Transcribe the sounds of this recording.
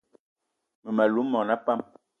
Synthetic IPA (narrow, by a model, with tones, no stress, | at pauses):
mə˨ma˨lu˨˦mːɔ˨na˦pa˦˨m